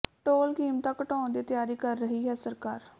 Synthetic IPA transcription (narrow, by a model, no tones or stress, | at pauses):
ʈoːlkiːmt̪ãːkəʈãːnd̪iːt̪ɪjaːɾiːkəɾːəɦiːɦɛːsəɾkaːɾ